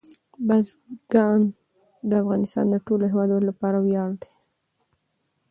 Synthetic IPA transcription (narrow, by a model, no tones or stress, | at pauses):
bazɡɑn | d̪əafɣɑnɪst̪ɑ̰nd̪əʈoloɦewɑd̪ulapɑɾawjɑld̪e̥